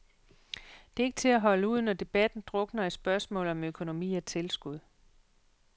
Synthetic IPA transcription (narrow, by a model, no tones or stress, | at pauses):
d̥e̝ɐe̝ɡ̥ət͡sʰe̝æɦɒ̽ləuð̞̰ˠnɒd̥e̝b̥æd̥n̩d̥ʁɔ̽ɡ̥nɐisb̥ɶɐsmɔ̰̽ːl̩ˠɒ̽møkʰo̝no̝mḭːæt͡sʰe̝lsɡ̥uð̞̰ˠ